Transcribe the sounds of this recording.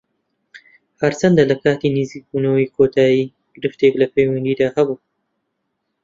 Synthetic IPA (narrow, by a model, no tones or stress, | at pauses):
hɐɾt͡ʃʰɐnd̪alɐkʰaːt̪iniziːk̚buːnɐwijkʰoːt̪ʰaːjiː | ɡ̥ɪɾɨft̪eklɐpejwɐnd̪iːd̪aːhɐbuː